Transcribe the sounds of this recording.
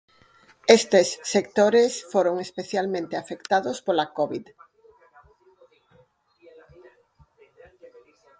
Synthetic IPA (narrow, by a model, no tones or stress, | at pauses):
est̪esːek̚t̪oɾesfoɾoŋespeθjalmẽnt̪eafekt̪aðospolakoβið